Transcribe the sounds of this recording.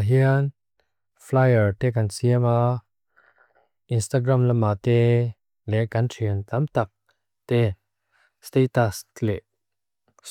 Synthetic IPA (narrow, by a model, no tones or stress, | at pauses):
ɦiən | flajəɹt̪ɛkansiəma | ʔinst̪aɡɾamlamːat̪ɛ | lɛʔkɐntʰiəŋt̪amt̪ɐk̚ | t̪ɛ | st̪et̪aslɛʔ